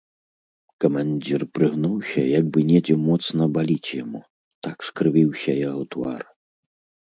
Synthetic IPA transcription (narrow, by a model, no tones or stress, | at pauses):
kɐmanʲd͡zʲirpɾɨɣnuwsʲɐjaɡ̚bɨnʲɛd͡zʲɛmɔt̪snɐbalʲit͡sʲjamu | t̪akskɾɨvʲiwsʲɐjawt̪va̰r